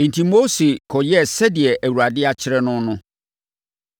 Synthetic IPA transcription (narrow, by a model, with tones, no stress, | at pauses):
ĩ˨n˨tʰĩ˨mo˦se˨kʰɔ˨jɛ˦sɛ˦dɪ˨ɛ˨ʔæ˨wu˨ɾa˨dɪ˦a˦t͡ɕʰɪ˦ɾɛ˦nʊ̃˦nʊ̃˦